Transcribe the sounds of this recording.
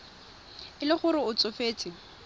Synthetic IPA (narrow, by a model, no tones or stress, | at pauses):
ɪlɪχʊɾɪʊt͡sʼʊfeːt͡sʰʼɪ